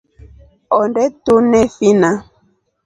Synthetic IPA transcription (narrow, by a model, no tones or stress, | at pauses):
ɔndɛtunɛfina